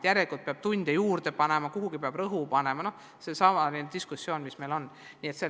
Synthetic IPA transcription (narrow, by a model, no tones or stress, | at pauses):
jæɾelikult̪̚peɑb̥̚t̪unʲd̪̥ejuːrd̪̥e̞pɑnemɑkuɦuɡ̥ipeɑb̥rɤɦupɑne̞mɑno̞h | se̞sɑmɑnid̪d̪̥iskusːjo̞ːnmisme̞jlo̞n | niːet̪se